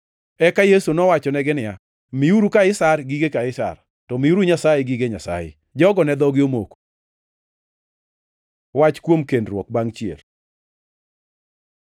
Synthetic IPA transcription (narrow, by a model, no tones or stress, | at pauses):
ɛkajesunɔwat͡ʃɔnɛɡɪnɪja | miuɾukaɪsarɡiɡekaɪsa̰r | tɔmɪuɾuɲasajeɡiɡeɲa̰sa̰jḛ | d͡ʒɔɡɔnɛd̪ɔɡɪomo̰ko̥ | wat͡ʃkwomkendrwɔ̰k̚baŋt͡ʃjḛl